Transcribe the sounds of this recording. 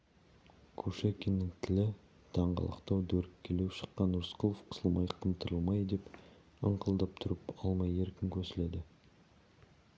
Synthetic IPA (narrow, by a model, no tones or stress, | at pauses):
kʲʰɵʃekʲenːɪŋt̪ʰɪlɪ | d̪̥ʰɑɴʁɑ̰lˠə̰qt̪ɑwd̪ɵɾɪkʲʰːeleʃə̥qːɑnːʊɾsqʰulˠofqʰə̥səlˠmɑjqʰəmt̪ʰəɾəlˠmɑjd̪e̞p | əɴqʰəlˠd̪ɑp̚t̪ʰʊɾəpɑlˠmɑje̞ɾkʲɪŋkʲʰɵɾsɪle̞d̪ɪ